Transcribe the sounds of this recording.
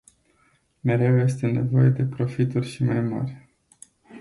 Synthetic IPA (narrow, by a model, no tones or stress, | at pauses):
me̞ɾe̞wje̞st̪e̞ne̞̰vo̞je̞d̪e̞pɾo̞fit̪urʲʃimajma̰rʲ